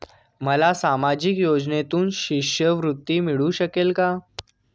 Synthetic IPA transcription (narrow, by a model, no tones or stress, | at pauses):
məlasamad͡ʑikjod͡ʑnet̪uːnɕiɕjəʋɾut̪ːimiɭũɕəkelka